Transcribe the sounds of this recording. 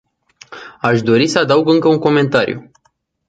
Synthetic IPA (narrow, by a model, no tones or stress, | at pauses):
aʃd̪o̞ɾisəad̪auɡɨŋkəuŋko̞me̞nt̪aɾjṵ